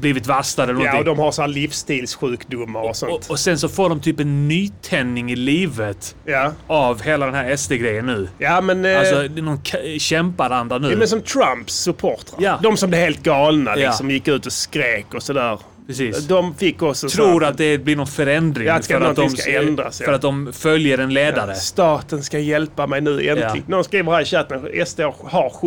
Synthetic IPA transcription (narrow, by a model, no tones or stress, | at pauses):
bliːvɪt̪vast̪ad̪əɛlənɔɔd̪ɔmhaɾsɔhæːlifst̪iːlsɧʉ̟ːkd̪ʊmːaɾɔsɔnt̪ɔsɛnsɔfoːɖɔmt̪ʰyːpɛnːyːt̪ʰɛnːɪŋɪliːvət̪jaavheːlad̪ɛnɦæːɾɛst̪əɡɾɛjːənːʉ̟ːjaːmɛnalsɔnɔnkʰɕɛmpad̪and̪ɾanʉ̟mɛnsɔmt̪ʰɾampsɵpʰoːɾt̪ɾajaːd̪ɔmsɔmblɛvheːlt̪̚ɡɑːlna̰lj̪ɪakɔmjɪkːʉ̟ːt̪ɔskɾeːkɔsɔd̪æːɾʰ | ɾɛsiːsd̪ɔmfɪkːɔsɔɾuːɾat̪̚d̪ɛblɪɾnɔnfœɾɛnd̪ɾɪŋasfœɾad̪ɔma̰ɛnd̪ɾa̰sfœɾat̪̚d̪ɔmfœljəɖɛnleːd̪ad̪əst̪ɑːt̪ənskajɛlpamɛjnʉ̟̰ːɛnlːɪ̰nɔnskɾiːvəɾhaɪɕat̪ːənɛst̪ehaɾ